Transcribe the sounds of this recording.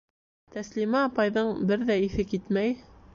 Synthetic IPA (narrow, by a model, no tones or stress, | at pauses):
t̪æslimæːpɑjðɤɴbɘɾðæiθɘkit̪mæj